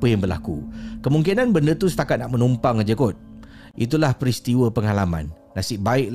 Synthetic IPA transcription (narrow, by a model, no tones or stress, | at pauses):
əjaŋbərla̰kṵkəmuŋkinanbəndət̪usə̥t̪akat̪̚naʔmənumpaŋad͡ʒəkɔt̪̚ | ʔit̪ulahpəɾist̪iwəpəŋalamã̰nːasɪʔ̚baɪʔ